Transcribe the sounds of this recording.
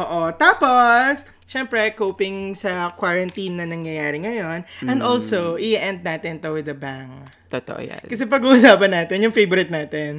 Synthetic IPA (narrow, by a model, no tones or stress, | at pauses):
ʔoːʔot̪aːpo̞s | ʃɛmpɾɛkowpɪŋsɐkwaɹɐnt̪inːɐnɐŋjɐjaːɾɪŋɐjo̞nʔɛ̃nd̪olsowʔɪʔɛnd̪̚naːt̪ɪnt̪owɪd̪ɐbaŋ | t̪ot̪o̰ʔo̰ja̰kɐs̬ɛpɐɡuːʔʊsaːpɐnːaːt̪ɛnjʊŋfejbʊɾɪt̪̚naːt̪ɛn